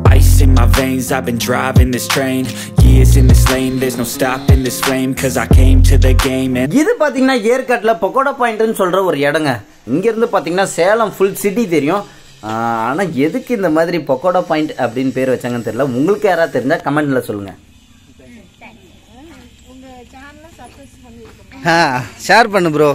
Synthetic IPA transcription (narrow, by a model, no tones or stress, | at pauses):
a̰ɪsɪ̃ŋmaɪvẽɪ̃nzaɪvbɨ̃ndɹaɪvɪ̃ŋðɪstʰɹ̥ẽɪ̃n | jɪzɨ̃nðɪslẽɪ̃mðə˞znoʊstɑpɨ̃nðɪsflẽɪ̃mkʰʌzaɪkʰẽɪ̃mtʰɨðɨɡẽɪ̃mɨ̃nɪðɯpaːɾt̪̬iːŋɐnːaːeːɾkaːʈːlɐpɔkːoːɽapaːjɪ̃ɳʈɯnːɯsɔlɾɐɔɾɯɛɽɐŋɡɐ | ɪŋɡeːɾɯnd̪ɯpaːɾt̪iːŋɡɐnːaːseːlɐmfʊlsɪʈːit̪̬ɛɾɪjʊ̃ | aːnaːɛðɯkːɯɪnd̪ɐmaːðɪɾipɔkːoːɽɐpaːjɪɳʈɐpːɐɽɪnːpeːɾɯʋɐt͡ʃːaːŋɡɐnt̪ɛɾɪlaʊŋɡɐɭɯkːɯeːɾaːt̪ɛɾɪɲd͡ʒaːkɐmɛɳɖlɐsɔlːɯ̰ŋɡɐ̰ | ŋɡ | aːʃaːɾpɐɳːɯpɯɾoː